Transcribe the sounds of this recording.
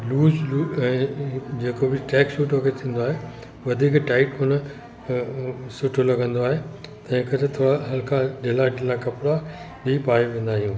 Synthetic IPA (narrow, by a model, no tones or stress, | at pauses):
luːzluːɛ̃ːd͡ʑeːkobɪʈɛːkʃuːʈokʰet̪ʰĩːn̆d̪oaːɦe | ʋɐd̪ʱiːkʈaːɪʈʊn | sʊʈʰolɐɡʱə̃nd̪oaːɦet̪ɐ̃ɦɪ̃kɐɾet̪ʰoːɽaɦɐlkʰaɗelaɖɪlakɐpɽa | ɓipaːiʋẽːnd̪aːɦijũː